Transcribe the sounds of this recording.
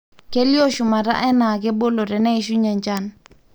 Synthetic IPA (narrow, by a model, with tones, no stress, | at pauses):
ke˦ljo˦ʃu˨ma˨ɾa̰˦ʔɛ˦na˨ɡɛ˦bo˦lo˨ɾɛ˨nɛ˦i˨ʃu˦ɲa˨ɲd͡ʒa˦n